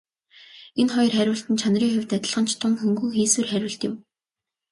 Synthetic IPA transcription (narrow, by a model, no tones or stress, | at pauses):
enχɔjɞ̆rχæɾʲʊːɬt̪ɘ̆nt͡ɕʰanriːŋxʊwʲt̪æt̪ʲɪ̆ɮʁə̆nt͡ɕʰt̪ʰʊnxɵŋɡuːxiːsweːrχæɾʲʊːɬt̪ɪ̆m